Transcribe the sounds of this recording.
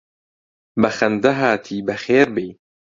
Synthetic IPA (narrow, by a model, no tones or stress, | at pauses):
bɐxɐnd̪ɐɦaːt̪ʰiːbɐxeːɾbej